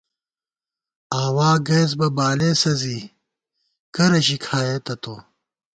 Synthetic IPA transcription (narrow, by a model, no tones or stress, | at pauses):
aːwaːɡeːz̬bɐbaːleːsɐziː | kɐɾɐʑikʰaːjeːt̪ɐt̪oː